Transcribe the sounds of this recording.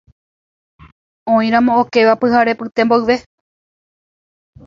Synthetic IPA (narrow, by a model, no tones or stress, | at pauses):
õĩɾ̃ãmõ̞oke̞ʋapɨɦaɾe̞pɨt̪emboɨʋe̞